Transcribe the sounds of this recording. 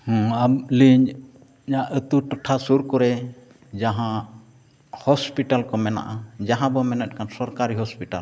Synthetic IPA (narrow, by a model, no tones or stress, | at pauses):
hɔ̃amliɲ | ɲaʔət̪uʈɔʈʰasuɾkɔɾɛ | d͡ʒaɦã | hɔspiʈalkɔmɛna̰ʔad͡ʒaɦãbɔmɛnɛt̪̚ˀkansɔɾkaɾiɦɔspiʈal